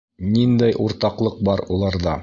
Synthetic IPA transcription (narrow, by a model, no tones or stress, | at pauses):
nind̪æjʔuɾt̪ɑqlˠɤq̚bɑɾulˠɑɾðɑ